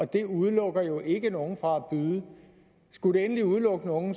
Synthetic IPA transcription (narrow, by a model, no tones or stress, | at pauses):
ɒ̽d̥e̝uð̞ˠlɔ̽ɡ̥ɐjo̝ʔe̝ɡ̥əno̝ːn̩fʁɑ̈æb̥yːðˠə | sɡ̥uɾe̝enəliuðˠlɔ̽ɡ̥əno̝ːn̩